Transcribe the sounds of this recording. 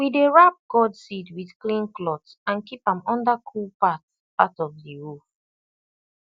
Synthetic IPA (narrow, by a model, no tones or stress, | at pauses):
wideɹap̚ɡ̥ɔdsidwidklĩnklɔt | ãnkipãmɔ̃ndakʰulpat | patɔfdiɹuf